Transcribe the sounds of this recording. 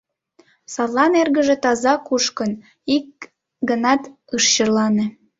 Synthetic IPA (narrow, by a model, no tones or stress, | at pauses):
sɑllɑnerɣəʒet̪ɑzɑkuʃkən | ik̚ | ɡənɑt̪ | ɯʃt͡ɕərlɑnĕ